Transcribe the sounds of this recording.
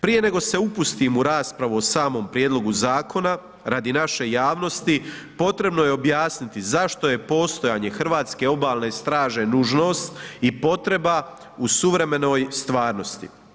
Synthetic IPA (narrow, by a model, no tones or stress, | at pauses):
pɾije̞ne̞ɡo̞se̞upust̪imuɾaːspɾaʋuosaːmo̞mpɾjeːd̪lo̞ɡuzaːkʰo̞na | ɾad̪inaʃe̞jaːʋno̞st̪i | po̞t̪ɾe̞bno̞je̞o̞bjaːsnit̪izaʃt̪o̞je̞po̞ːst̪o̞jaːɲe̞xɾʋaːt̪ske̞o̞baːlˠne̞st̪ɾaːʒenuʒno̞ːst̪ipo̞t̪ɾe̞ba | usuʋɾe̞me̞no̞ːjst̪ʋaːɾno̞st̪ḭ